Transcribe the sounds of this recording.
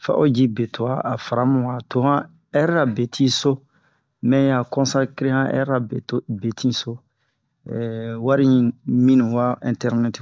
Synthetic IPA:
fa̰˦ʔo˦d͡ʒi˦be˨tʰo˨a˦a˨fa˨ɾa˦mũ˨wa˨to˦hã˦ | ɛ˦ɾɾa˨be˨tʰĩ˦so˦ | mɛ̃˦ja˨kɔ̃˦sã˦ki˦ɾẽ˦hã˦ʔɛ̰˦ɾa˨e˨be˨tʰĩ˦so˦ | ɛwa˦ɾĩ˦ɲĩ˦mĩ˦nũ˨wa˦ḭ̃˨ntɛ˦ɾnɛ˦ti

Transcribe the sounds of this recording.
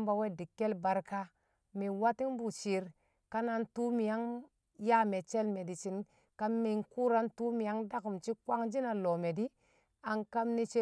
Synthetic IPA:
mba˨we˦di˨kːe˦lba˨ɾka˦ | mi˨wa˦ti˦ŋbu˨t͡ʃi˨˦ɾ | ka˦na˨ntu˦mi˨ja˦ŋ | ja˦me˨t͡ʃe˦lme˨di˨t͡ʃi˨n | ka˦mmi˨ŋku˦ɾa˦ntu˦mi˨ja˦ŋda˦ku˨mt͡ʃi˦kwa˦ŋd͡ʒi˦na˨lo˨me˨di˦ | a˨ŋka˦mni˦t͡ʃe˦

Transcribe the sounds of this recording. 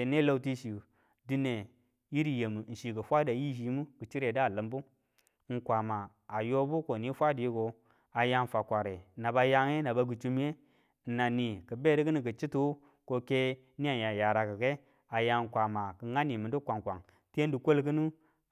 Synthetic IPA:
e˨ne˦lo˦wti˦ʃi˨u˨ | di˦ne˨ | ji˦ɾi˨je˨mu˨n̩˨ʃi˨kə˨fʷa˦da˨ji˦ʃi˨˦mu˦kɨ˨t͡ʃi˦ɾe˨dlə˨mbu˦ | ŋ̩˨kʷa˨maː˨ | jo˦bu˦ko˨ni˦fʷa˦di˨ji˦ɡo˨ | a˨ja˦ŋ˨fa˨kʷa˨ɾe˨na˨ba˨ja˦ŋe˦na˨ba˨ɡu˨t͡ʃu˦m˦je˦˨ | na˨ni˨kə˨be˦di˦kə˦ni˨kə˨t͡ʃi˦tu˨˦ | ko˦ke˦ | ni˦a˨ja˨ja˨ɾa˨kə˨ke˦ | a˨ja˨ŋ˨ŋ˨kʷa˨ma˨kə˨ŋa˦ni˨mɨ˨du˦kʷa˨ŋkʷa˨ŋ | tn˦du˨kʷo˦lk̬ɨ˦nu˦

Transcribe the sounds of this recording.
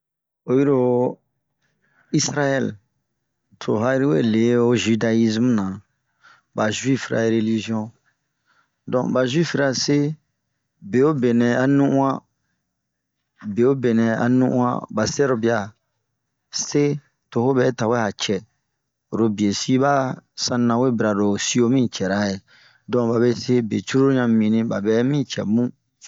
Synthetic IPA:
o˨ji˦ɾo˦ | i˦sɾa˦jɛ˦˨l | tʰo˨ɦa˦i˦ɾi˦we˦˨le˨˦o˦ʒi˦da˦i˦zm˦nã˨ | ba˨ʒwi˦fɾa̰˨e˨˦ɾe˦li˦ʒi˦ɔ̃˦ | dɔ̃˨ba˨ʒwi˦fɾa˨se˦ | be˨o˦be˨nɛ̃˨a˨nũ˦ʔũ˦ã˦ | be˨o˦be˨nɛ̃˨a̰˨nũ˦ʔṵ̃˦ã̰˦ba˨sɛ˦ɾo˨bi˦a˨ | se˦ | to˨ho˦bɛ˨˦ta˨wɛ˦ha˨t͡ʃɛ˨ | ɾo˨bi˨e˨si˦ba˦sã˦nã˨we˦bi˨ɾa˨ɾo˨si˦o˦mĩ˦t͡ʃɛ˨ɾa˨˦je˨ | dɔ̃˨ba˨βe˦se˦be˨t͡ʃu˦ɾo˦ɾo˦ɲã˦mĩ˨nĩ˦ba̰˨bɛ˨˦mĩ˦t͡ʃɛ̰˨mũ˦

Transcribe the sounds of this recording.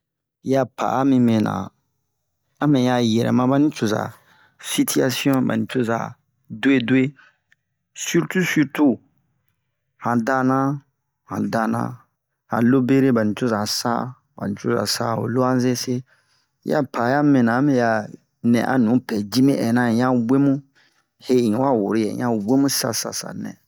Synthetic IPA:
ja˦pʰa̰˨a˦mĩ˧mɛ̃˨nã̰˨ | a˦mɛ̃˨ja˧˨jɛ˨ɾɛ̰˨mã˦ba˦nĩ˦t͡ʃo˨za̰˨ | si˦tʰi˦a˦si˦ɔ̃˦ba̰˨nĩ˨t͡ʃo˦za̰˨ | dwe˦do˦e˦ | sy˦ɾtu˦sy˦ɾtu˦ | hã˨da˦nã˦ | hã̰˨da˨nã̰˦ | hã̰˨lo˦be˦ɾe˦ba˨nĩ˨to˦za˨sa̰˦ | ba̰˨nĩ˨to˦za̰˨sa̰˦o̰˨lo˦a˦ze˦se˦ | ja̰˦pʰa˨ja˦mɛ̃˨nã˨˦mɛ̃˦ja˨ | nɛ̰̃˨ʔa̰˦nũ˨˦pɛ˨d͡ʒi˦mĩ˦ʔɛ˨nã˦˨jã˦we˦mũ˦ | he˦ĩ˨˦wa˦˨wu˨ɾi˦jɛ̰̃˨˦ã˦we˦mũ˦sa˦sa̰˨sa̰˨nɛ̰̃˨

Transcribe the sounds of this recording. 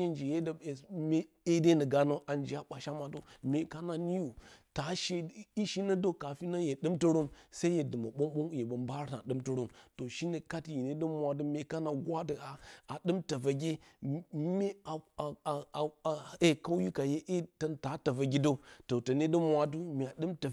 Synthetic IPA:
e˦nd͡ʒi˨je˦dme˦ | e˦de˦nə˨ɡa˨no˦ʔa˨nd͡ʒi˨a˨˦ɓa˨ʃa˦ma˨do˦me˨ka˦na˨ni˦ju˨ta˨˦ʃe˦i˦ʃi˦nə˦do˦ka˨fi˦na˦je˨ɗɨ˦mtə˦ɾu˦msa˦i˦je˨dɨ˨ma˨ɓo˦ɓo˦ŋ˦je˨bə˨mba˦ɾna˨ɗɨ˦mtə˦ɾu˦mto˨ʃi˦nə˨ka˦tji˨ne˦də˦mʷ˦a˨du˦me˨ka˦na˨ɡʷa˦də˨a˨a˨ɗɨ˦mta˨va˨ɡʲe˦ | me˦a˨a˨e˦ka˦wji˦ka˨je˦ʔe˦tə˦nta˨˦ta˨va˨ɡʲi˦do˦to˨tə˨ne˦də˦mʷa˨du˦me˨a˨ɗɨ˦mta˨

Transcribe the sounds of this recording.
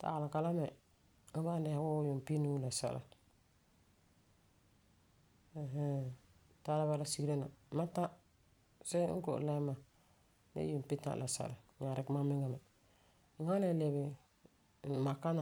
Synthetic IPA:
ta̰˨lɪ˨ka˨la˦mɛ˨˦ | ba˦da˨a˨˦wʊ˦jʊ˨m˨pi˦nu˦la˨sa̰˨la̰˨ | ɦ | ta˦la˦ba˦la˦si˦ɡɾe˦na˨˦ma˦ta˦ | sɛ˦ŋ̩˦ko̰˨la˦ma˨ | nḛ˦ji˨m˨pi˦ta̰˦ʔla˨sa̰˨la˨ɲa˨ɾɪ˨kma˦mɪ˦ŋa˨mɛ˨ | ŋa˦na˨le˨bɪ˨ | ma˨ka˦na˨

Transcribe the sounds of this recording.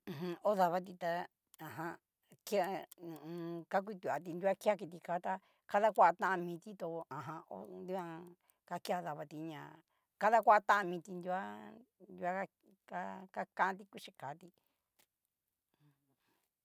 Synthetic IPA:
ɦɨ̃˧o˦ða˧βa˦t̪̬i˧t̪a˧ | ã˨ɦã˧ | ki˦a˧nũ˨ũ˧ka˦k̬ʷi˦˧t̪u˨a˨˧t̪̬i˧nd̪u˦a˦ki˦a˦ki˧t̪̬i˧kaː˨˦t̪a˧ | ka˦ða˦kʷa˦a˧t̪ã˦ã˧mĩ˧t̪i˦t̪o˧ã˨ɦã˧o̰˦nd̪u˦ã˧ | ka˧ki˦a˧ða˧βa˧t̪i˧ɲã˨ | ka˦ða˦kʷa˦a˧t̪ã˦ʔã˧mĩ˧t̪i˧nd̪ʲu˧˦a˦nd̪u˧˦a˦a˦ | ka˦ka˦kã˦ʔã˧t̪i˧ku˦ʃi˧ka˨˦t̪i˧

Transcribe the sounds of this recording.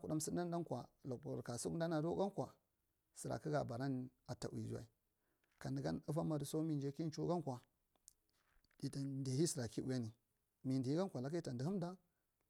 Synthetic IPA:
ku˨ɗa˦msi˦n˦da˦n˦da˦nkwa̰˨lo˨kbu˨ka˨su˦kn˦da˦na˨do˦ɡa˦kʷa˨ | sə˨ɾa̰˨ki˦ɡa˨ba˨ɾa˦n˨ | a˨ta̰˨ʔw̰ḭ˨d͡ʒu˦a̰˨i˨ | ka˨ndi˨ɡa˦nə˦va˦ma˨di˨so˦mi˦˨nd͡ʒe˦ki˦n˦t͡ʃo˦ɡa˦nkʷa˨ | di˨ta˨de˨hi˦si˨ɾa˨ki˦u˨ja˦ni˨ | mi˨ndi˨i˦ɡa˦nkʷa˨la˨˦k̬a˦i˦ta˨ndi˨hu˦mda˦

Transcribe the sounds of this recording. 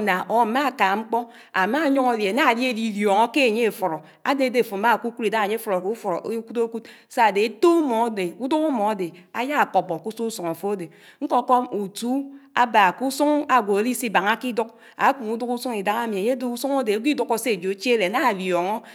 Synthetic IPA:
na˨ʔo˨ma˦˨ka˨ŋ͡m̩˦k͡pɔ˦ | a˨ma˦˨˦ɲo˦ŋo˦˨lje˨na˦a˨di˦e˦di˦˨ljo˨ŋo˦ke˦e˨ɲe˦e˨fɔ˨ɾo˨ | a̰˦de˨de˦˨fo˨ma˦˨ku˦ku˦ɾi˨da˦a˨ɲe˦fɔ˨ɾo˨ku˦fɔ˨ɾo˨ʔku˦to˦ku˦t | sa˦a˨de˨e˨to˦mo˨˦de˨u˦du˦ku˦mɔ˨a˦de˨a̰˨ja˦a˨k͡po˨bɔ˨ku˦su˦u˦su˨ŋa˨fo˦a˦de˨ | ŋ̩˦ko˦ko˦mu˨tu˦a̰˦ba˨ku˦su˦ŋa˨ɡʷo˨e˨˦li˦si˦ba˨ŋa˦ki˦du˦k̚ | a˨˦ku˨ŋu˦du˦ku˦su˦ŋi˨da˦ŋ˦a˦mi˨e˨ɲe˦do˦u˦su˦ŋo˦de˨˦ɡʷi˦du˦ko˦se˦e˨d͡ʒo˨e˦t͡ʃe˦le˨na˦˨ljo˨ŋo˦

